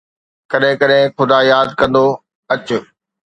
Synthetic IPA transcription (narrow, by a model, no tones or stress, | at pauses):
kɐɗɦɪ̃kɐɗɦɪ̃xʊd̪ajaːd̪kɐ̃nd̪o | ɐt͡ɕʊ